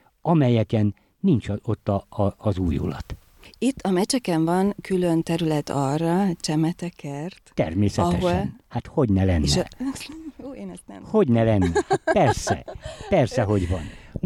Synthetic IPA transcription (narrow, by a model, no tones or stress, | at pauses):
ɒmɛjɛkɛnː | int͡ʃot̪ːɒːzuːjṵlɒ̰t̪ | it̪ːɒmɛt͡ʃɛkɛɱvɒnkʰylønt̪ɛɾylɛt̪ʰɒrːɒt͡ʃɛmɛt̪ɛkʰɛrt̪t̪ɛ̰rmeːsɛɛɦoʃlnhat̪ho̞ɟnɛlɛnːʃ | oːeːnɛst̪nɛho̞ɟnɛlɛnːɛpɛrsɛ̰pɛrsɛɦo̞ɟʋɒn